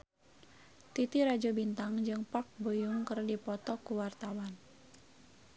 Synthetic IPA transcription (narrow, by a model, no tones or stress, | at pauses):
t̪it̪iɾad͡ʒɔbint̪aŋd͡ʒɨŋpak̚bojuŋkərdipɔt̪ɔkuwart̪awan